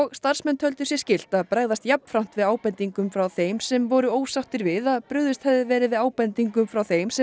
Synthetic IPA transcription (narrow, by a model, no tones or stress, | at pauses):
ɔɣst̪ar̥smɛnt̪hœlt̪ʏsjɛscɪl̥t̪aðpɾaːjðast̪japn̥fɾam̥t̪vɪðaːwpɛnt̪iŋkʏmfɾawθejmsɛmvɔɾʏoːwsaht̪ɪɾvɪðaðpɾʏːðʏst̪hɛvðɪvɛːɾɪðvɪðaːwpɛnt̪iŋkʏmfɾawθejmsɛ